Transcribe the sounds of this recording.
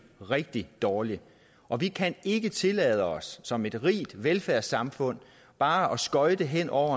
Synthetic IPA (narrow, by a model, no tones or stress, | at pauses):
ʁɛɡ̥̚d̥id̥ɒːli | ʔɒ̽ʋikʰæne̝ɡ̥ət͡sʰe̝lɛð̞ˠəɒ̽sːɒ̽me̝d̥ʁḭːd̥ʋelfæɐ̰sɑ̈mfɔ̽n̰ | b̥ɑ̈ːʔɒ̽sɡ̥ɒ̽ɪd̥e̝ɦen̰ɒʊ̰ɐ